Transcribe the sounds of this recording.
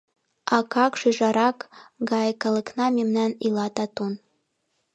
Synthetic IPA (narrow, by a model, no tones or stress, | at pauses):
ɑkɑkʃyʒɑɾɑkɡɑjkɑləknɑmemnɑnilɑt̪ɑt̪on